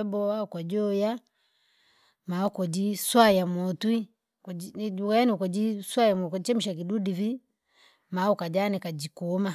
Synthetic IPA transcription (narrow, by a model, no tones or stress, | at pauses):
ɛbɔakɔd͡ʒɔja | maɔkɔd͡ʒiswajamɔtwi | kaanikɔd͡ʒiswajamkɔt͡ʃɛm̩ʃak̬idudivi | maukad͡ʒanɛkad͡ʒikuma